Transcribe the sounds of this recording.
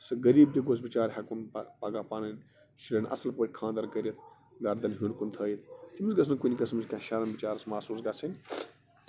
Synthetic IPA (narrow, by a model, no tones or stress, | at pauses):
sɨɡɐɾiːb̚d̪iɡos̬bit͡ʃaːɾʲɦakunpaɡaːpanɐnʲ | ʃilʲɐnʔɐ̰sɐlpəːʈʰʲkʰãːnd̪ɐɾkɐɾʲɐt̪̚ʰ | ɡɐɾd̪ɐnɦũnɾkunt̪ʰəːjit̪ʰt̪ʰimisɡɐs̬ʰnɨkunʲikɐsmɐt͡ʃʲkãʃaɾɐnbit͡ʃaːɾɐsmaːsuːsɡat͡sʰɐnʲ